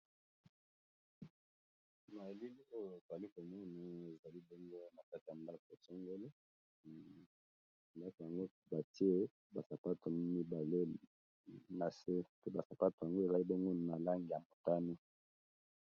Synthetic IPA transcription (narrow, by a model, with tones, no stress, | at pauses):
ma˨li˦li˦o˦jo˨e˨za˨li˦ko˨mu˦na˨e˨za˨li˦bo˦ŋɡo˦na˨ka˦ti˨ja˨nda˦ko˨so˦ŋɡo˦le˦ | nda˦ko˨ja˨ŋɡo˦ | ba˨ti˦e˦ | ba˨sa˨pa˦to˨mi˦ba˨le˦ | na˨se˦pe˦ba˨sa˨pa˦to˨ja˨ŋɡo˦e˨za˨li˦bo˦ŋɡo˦n˨na˨la˦ŋɡi˨ja˨mo˨ta˦nu˦